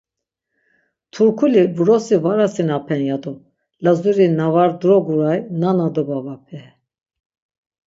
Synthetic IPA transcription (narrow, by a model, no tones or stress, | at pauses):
t̪ʰuɾkʰulibuɾɔsivaɾasinapʰɛnjad̪u | lazuɾinavaɾd̪uɾɔɡuɾajnanad̪ɔbavapʰɛ